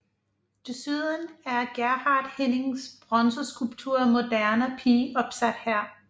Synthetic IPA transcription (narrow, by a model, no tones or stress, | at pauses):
d̥esyðˠənæɐɡ̥æɐhɑ̈ːd̥hene̝ŋsb̥ʁɒnsosɡ̥ulb̥̚t͡sʰuɐ̰mo̝d̥æɐnəpʰiːɒ̽b̥sæd̥hæɐ̰